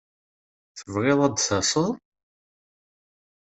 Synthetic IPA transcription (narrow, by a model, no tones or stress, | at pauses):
θəvʁɪðˤɑd̪θɑsˤəðˤ